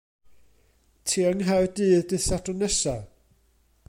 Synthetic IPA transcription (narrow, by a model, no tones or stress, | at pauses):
tʰiːəŋɦawdɨːðdɨsatʊnɛsa